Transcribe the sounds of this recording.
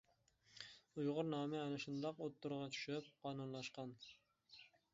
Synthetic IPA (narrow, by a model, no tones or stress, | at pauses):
ujʁʊɾnɑːmɪɛnɪʃund̪ɑqot̪ːʊɾʁɑt͡ʃʰy̥ʃyp̚qʰɑːnunlˠɑʃqɑn